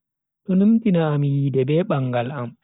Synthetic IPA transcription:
ɗɔnumtinaːmjiːdɛbɛːɓaŋɡalam

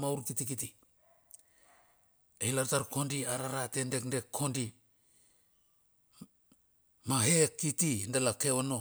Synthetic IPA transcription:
mauɾkitikiti | eilaɾtaɾko̞ndiaɾaɾate̞nde̞knde̞kʰːo̞ndi | maɦekitindelakeono̞

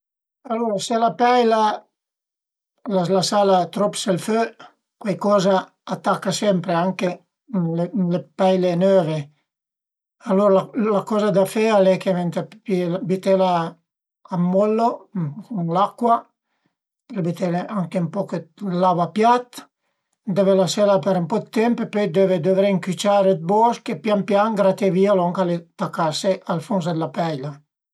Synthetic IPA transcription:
aloɾaselapɛjla | lalasalat̪ɾɔpselfø | kwajkɔːza | at̪ːakːasɛmpɾeaŋke | lelepajlenøːve | aloɾalalakɔːzad̪afɛalɛkevent̪appilabit̪elaː | mːɔlːokuŋlakːwa | elbit̪eleaŋkempɔkelavapjat̪ | d̪evelasɛlapeɾmpɔd̪t̪ːɛmppøjd̪eved̪ovɾeŋkyt͡ʃaːɾed̪̚bɔskepjampjaŋɡɾat̪evialɔŋkalet̪akːaseʔalfons̬d̪elapɛjla

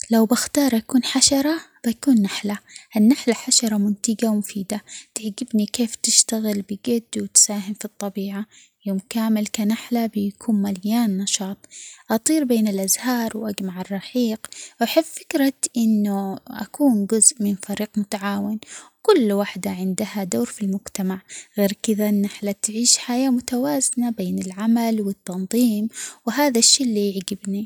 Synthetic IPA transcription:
lawbɪxt̪ɑːɾˤʔakuːnħaʃɑɾˤɑb̥akuːnːaħlaʔanːaħlaħaʃɑɾˤɑmʊnt̪ɪɡawmʊfiːd̪at̪ɪʕɡɪbnikeːft̪ɪʃt̪aɣɪlbɪɡad̪ːwɪt̪saːɦɪmfit̪ˤːɑbiːʕa | joːmkaːmɪlkanaħlabɪjakʰuːnmaljaːnːɑʃɑːt̪ˤʔɑt̪ˤiːɾbeːnɪlʔazhɑːɾˤwʔad͡ʒmaʕɪrˤːɑħiːqwaħɪffɪkɾat̪ʔɪnːʊʔa̰kuːnd͡ʒʊzʔmɪnfaɾiːqmʊt̪aʕaːwɪnwkʊlːwaħd̪aʕɪnd̪ahad̪oːɾfilmʊɡt̪amaʕɣeːɾkɪðaʔnːaħlat̪ʕiːʃħajaːmʊt̪awaːzɪnabeːnɪlʕamalwɪt̪ːɑnðˤiːmwɪɦaːðaʃːiːlːijɪʕɡɪbni

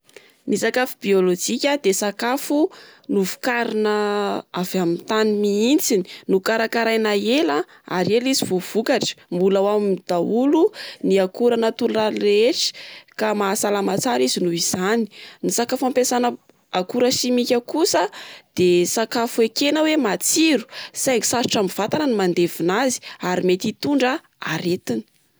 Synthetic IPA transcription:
nisakafubiolod͡ʒikʲad̪esakafunuvu̥kaɾinəavamit̪animiint͡sini̥nukaɾakaɾajnaela | a̰ɾelizivov̥ukaʈ͡ʂə̥mbulawamimd̪̥auluniakuɾanət̪ulrareeʈ͡ʂi̥kamaːsalamat͡saɾizinuiz̥ani̥nisakafampesanə | akuɾəʃimikʲakusəd̪̥esakafuekenəwemat͡siɾu̥sajŋisaɾiʈ͡ʂamiv̥at̪anənimand̪evinazi̥aɾimet̪it̪uɳɖ͡ʐə | a̰ɾet̪ini̥

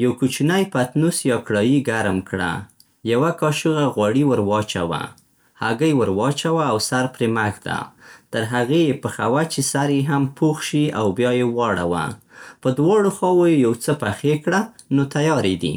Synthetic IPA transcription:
jawkut͡ʃinajpat̪nusjɑkɽɑjiɡaɾmkɽa̰ | jawakɑʃuɣaɣwɑɽiwəɾwɑt͡ʃa̰wa̰ | ha̰ɡəjwəɾwɑt͡ʃawaːwsaɾpɾemaxd̪a̰t̪əɾɦaɣejepəxawat͡ʃesaɾjeɦampʰoxʃiawbjɑjewɑɽa̰wa̰ | pəd̪wɑɽoxɑwojejawt͡səpaxekɽa | not̪ajɑɾed̪ḭ

